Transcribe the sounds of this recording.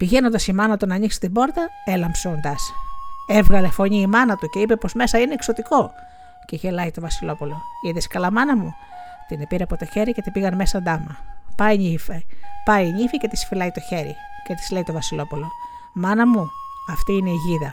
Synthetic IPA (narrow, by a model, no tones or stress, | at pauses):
piʝenond̪ɐsimɐnɐt̪onɐɲiksi̥t̪ibo̞ɾt̪ɐe̞lɐmpso̞nd̪ɐsevɣɐlefo̞ɲiːmɐnɐt̪uce̞ipe̞po̞zme̞sɐineːkso̞t̪iko̞ | ceʝe̞lɐjt̪o̞vɐsilo̞pulo̞iðeskɐlɐmɐnɐmu | t̪inepiɾeɐpo̞t̪o̞çe̞ɾice̞t̪ipiɣɐnmesɐnd̪ɐmɐpɐjɲifepɐjɲifice̞t̪isfilɐit̪o̞çe̞ɾḭce̞t̪i̥zleit̪ovɐsilo̞pulo̞ | mɐnɐmu | ɐft̪iːine̞iʝiðɐ